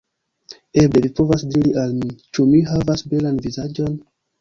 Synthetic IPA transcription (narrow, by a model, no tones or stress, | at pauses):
e̞ble̞vipo̞vasdiɾiʔalmit͡ʃumiɦavasbe̞lanvizad͡ʒo̞n